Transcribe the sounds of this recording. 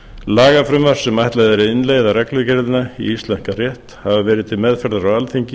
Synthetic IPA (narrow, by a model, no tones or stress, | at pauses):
laːɣafɾʏmvaɾ̥sɛmajht̪laðɛɾɪðɪnleːjðaɾɛklʏcɛɾðɪnaḭist̪lɛn̥karjɛht̪havavɛːɾɪðt̪ʰɪlmɛðfɛɾðaɾawalθiɲcɪ